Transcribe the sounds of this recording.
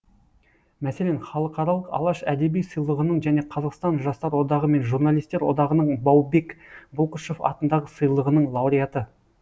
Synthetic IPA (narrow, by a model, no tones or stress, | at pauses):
mæse̞lenχɑlˠəqɑɾɑlˠəqɑ̰lˠɑʃæd̪e̞bijsəjlˠəʁənəɴʒæne̞qʰɑzɑqst̪ɑnʒɑst̪ɑɾwo̞d̪ɑʁəme̞nʒuɾnɑlʲijst̪e̞ɾwod̪ɑʁənəɴbɑwbe̞kbʊlˠqəʃofɑ̰t̪ənd̪ɑʁəsəjlˠəʁənəɴlˠɑwɾʲijat̪ə